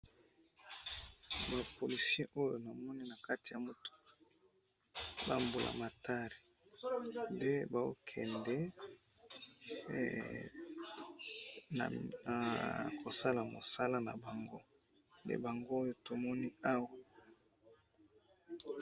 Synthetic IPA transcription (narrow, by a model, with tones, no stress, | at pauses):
ba˨po˨li˨sje˦ʔo˦jo˨na˨mɔ˦ni˦na˨ka˦ti˨ja˨mo˨tu̥˦˨ | ba̰˦mbu˨lʔa̰˨ma˨ta˦ʁi˨ | nde˦ba˨o̰˦kʰɛ̰˨ndɛ˦ | na̰˨na̰˨kʰo˨sa˦la˨mo̰˨sa˦la˦na˨ba˨ŋɡo˦ | ndḛ˦ba˨ŋɡo˦jo˨to˨mɔ˦ni˦a˦wa˨